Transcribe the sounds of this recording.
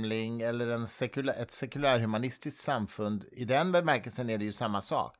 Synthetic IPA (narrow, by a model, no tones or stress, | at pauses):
lɪŋɛlːəɾɛnsɛkɵlʔɛt̪sɛkɵlæːɾhɵmanɪst̪ɪskt̪samfɵnd̪ɪd̪ɛnbɛmæɾkɛlsənæɖɛjɵsamːasɑ̰ːk